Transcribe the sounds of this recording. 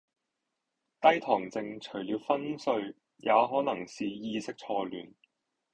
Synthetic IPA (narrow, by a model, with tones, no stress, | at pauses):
t̪ɐ˥jt̪ʰɔː˨˩ŋt͡sɪ˧ŋt͡ʃʰɵ˨˩liː˨˧wfɐ˥nsɵ˧ɥ | jʔaː˨˧ɦɔː˨˥nɐ˨˩ŋsiː˨jiː˧sɪ˥k̚t͡ʃʰɔː˧lyː˨˩n